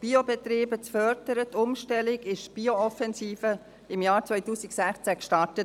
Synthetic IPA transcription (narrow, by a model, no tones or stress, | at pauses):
b̥iobɛtɾiːbət͡sfœɾd̥əɾətʰʊmʃtɛlɪɡɪʃb̥ioɔfɛnsiːfə | ɪmjaːɾt͡sʋœɪtuːsɪksæχt͡sækʃtɑɹtət